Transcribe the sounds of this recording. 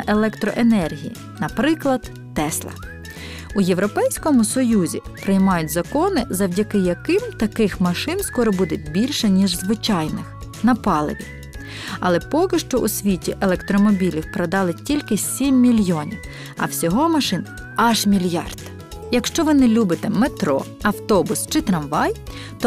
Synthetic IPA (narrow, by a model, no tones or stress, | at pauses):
ʔelˠɛkt̪ɾɔ̰ʔenɛrɦʲijḭ | nɐpɾɪklˠɐd̪̥ːɛslˠɐ̰ | ʊje̞wɾɔpɛjsʲkɔmʊsɔjuzʲḭpɾɪjmɑjʊtʲzɐkɔnɪzɐwdʲɐkɪjɐkɪmt̪ɐkɪxmɐʃɪnskɔɾɔbud̪et̚ʲbʲilʲʃɛnʲiʒzʋɪt͡ʃɑjnɪxnɐpɑlˠɪ̰ʋʲi | ɐlˠɛpɔkɪʃt͡ʃɔʔʊsʲʋʲitʲiʔelˠɛkt̪ɾɔmɔbʲilʲiwpɾɔd̪ɑlˠɪtʲilʲkɪsʲimʲːilʲjɔnʲiw | ɐ̰wsʲɔɦɔmɐʃɪn | ɐʒmʲilʲjɑ̰rd̪ | jɐkʃt͡ʃɔʋɪnɛlʲubɪt̪ɛmet̪ɾɔ̰ | ɐwt̪ɔbʊst͡ʃɪt̪ɾɐmʋɑj | t̪ɔ